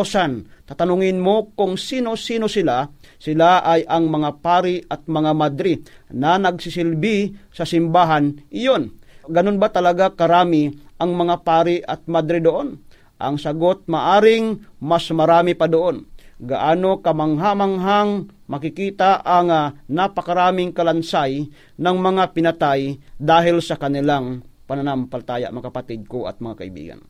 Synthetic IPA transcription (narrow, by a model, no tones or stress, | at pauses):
sant̪at̪anʊŋɪnmokʊŋsiːnosiːnosɪlasɪlaʔajɐŋmɐŋapaːɾɪɐt̪̚mɐŋamad̪ɾɪnɐnɐɡsɪsɪlbisɐsɪmbaːɦanʔɪjonɡɐnonbat̪ɐlɐɡakɐɾaːmɪʔɐŋmɐŋapaːɾɪʔɐt̪̚mad̪ɾɪd̪oʔon | ʔɐ̰ŋsɐɡot̪̚maʔaːɾɪŋmasmɐɾaːmipad̪oʔonɡa̰ʔaːnokɐmaŋɦamaŋɦaŋmɐkɪkiːt̪aʔaŋanapɐkaɾaːmɪŋkɐlansaj | nɐŋmɐŋapɪnɐt̪ajd̪aːɦɪlsɐkɐnɪlaŋpɐnanampalat̪aːja̰ʔmɐkapat̪ɪd̪̚koʔɐ̰t̪̚mɐŋaka̰ḭbḭːɡa̰n